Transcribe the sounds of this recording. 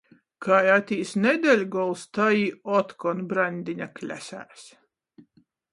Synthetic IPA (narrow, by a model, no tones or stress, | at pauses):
kʰajat̪ʲiːsned̪ʲelʲɡɔlˠst̪aiːɔt̪kɔnbɾanʲd̪ʲiɲʲaklʲæ̰sæ̰ːs